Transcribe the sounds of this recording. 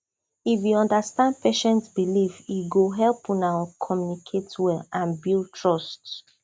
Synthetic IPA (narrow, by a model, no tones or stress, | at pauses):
ifjuɔ̃ndastãndpʰeʃɛ̃ntsbilifiɡoɦɛlpũnãkʰɔmjunikʰetwɛlãnbilˠtʰɹɔst